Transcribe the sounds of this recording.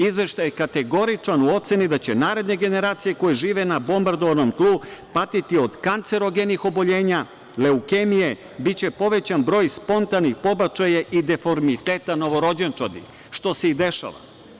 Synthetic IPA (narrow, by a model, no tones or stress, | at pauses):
izʋe̞ʃt̪ajekat̪e̞ɡo̞ɾit͡ʃanuo̞t̪se̞nid̪at͡ɕenaːɾe̞d̪ne̞ɡe̞ne̞ɾaːt̪sije̞ko̞jeʒiːʋenabo̞mbaɾd̪oʋano̞mt̪lˠupat̪it̪io̞d̪kant̪se̞ɾoɡenixo̞bo̞ʎe̞ːɲa | leukemije̞ | bit͡ɕe̞po̞ʋe̞t͡ɕanbɾo̞ːjspo̞nt̪anixpo̞bat͡ʃajaʔid̪e̞fo̞ɾmit̪eːt̪ano̞ʋo̞ɾo̞d͡ʑent͡ʃad̪ḭ | ʃt̪o̞seid̪e̞ʃa̰ʋa̰